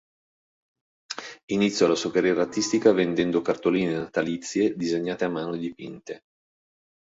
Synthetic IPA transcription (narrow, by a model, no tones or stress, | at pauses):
init̪sjɔlasokarijɛːɾaːt̪ːist̪ikavend̪ɛnd̪okart̪oliːnenat̪alit̪sːjed̪izeɲːaːt̪eamːaːnoed̪ipḭnt̪e